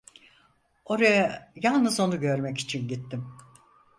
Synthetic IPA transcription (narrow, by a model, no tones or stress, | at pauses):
o̞ɾajajalˠnɯzo̞nuɟø̞ɾmɛci̥t͡ʃʰinɟit̪ʰːim